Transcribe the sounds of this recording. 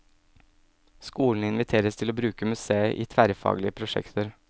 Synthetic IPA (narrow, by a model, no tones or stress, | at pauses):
skuːln̩ɪnʋɪt̪ʰeːɾəst̪ʰɪloːbɾʉːkəmʉseːəʔḭːt̪ʰʋæɾəfɑ̰ːɡlɪəpʰɾʊʃɛ̰kt̪əɾ